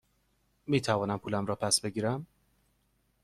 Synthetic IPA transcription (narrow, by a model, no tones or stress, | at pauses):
miːt̪ʰævɒːnæmpʰuːlæmɾɒːpʰæsbe̞ɡiːɾæm